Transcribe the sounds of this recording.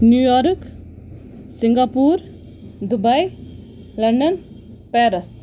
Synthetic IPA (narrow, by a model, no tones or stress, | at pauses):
njujɔɾk | siŋɡapuɾ | d̪ubaj | lɐɳɖʌn | peɾəs